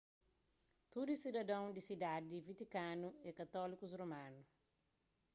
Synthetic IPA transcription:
t̪ud̪usid̪ɐd̪ɐ̃w̃d̪isid̪ad̪id̪ivit̪ikãnuekɐt̪ɔlikuzromãnu

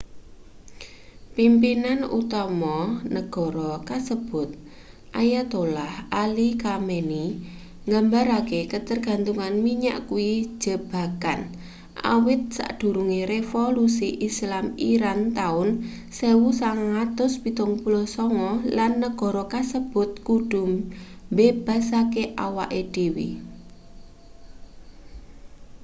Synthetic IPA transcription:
pimpinanṵt̪ɔmɔnəɡ̥ɔ̤ɾɔkasəb̥ʊ̤t̪̚ | ʔajat̪olahalikameni | ŋɡambaɾakekət̪ərɡ̥a̤nt̪uŋanmiɲa̰ʔkui̥d͡ʒ̥ə̤b̥a̤kan | ʔa̰wɪt̪̚sa̰ʔɖ̥ṳɾuŋiɾefolusiʔislamiɾant̪aʊn | sewusaŋat̪ʊspit̪ʊŋpulɔsɔŋɔlanːəɡ̥ɔ̤ɾɔkasəb̥ʊ̤t̪̚kuɖ̥ʊ̤mbeb̥a̤sakeʔawaʔed̥e̤wḭ

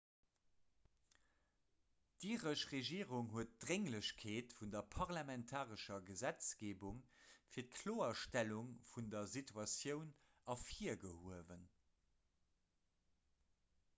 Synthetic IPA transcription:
d̥iːʁəʃʁeʒiːʁuŋɦuət̚d̥ʁeŋləɕkʰeːtfundɐpʰɑʁlɑmɛntʰaːʁəʃɐɡəzæt͡sɡ̥eːbuŋfiːɐt̚kʰloːɐʃtæluŋfundɐzitʰuɑsjəʊn | ɑfiːɐɡəhuəvən

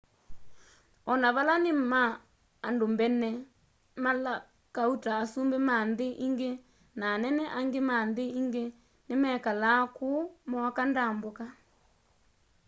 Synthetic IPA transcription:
ɔnaβalanemaː | ndombɛnɛ | mala | kautaːsumbemandeʔiŋɡe | naːnɛnɛʔaŋɡemandeiŋɡe | nemɛkalakumɔkandamboka

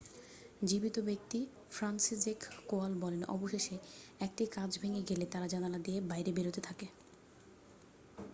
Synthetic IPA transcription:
d͡ʑibit̪obek̚t̪i | fɾansizekːoalbɔlenʔɔ̰boʃeʃeɛk̚ʈikãd͡ʑbʱeŋeɡelet̪aɾad͡ʑananad̪iebajɾebeɾot̪et̪ʰake

